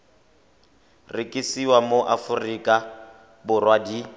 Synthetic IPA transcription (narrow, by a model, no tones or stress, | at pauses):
rɪkʼisiwamoʔafʊrikʼa | bʊrwadi